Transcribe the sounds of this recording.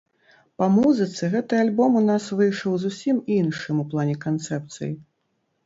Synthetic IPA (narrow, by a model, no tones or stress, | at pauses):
pɐmuzɨt̪sɨɣɛt̪ɨalʲbɔmunasvɨjʂɐwzusʲiminʂɨmuplˠanʲɛkant̪sɛp̚t̪sɨ̰jḭ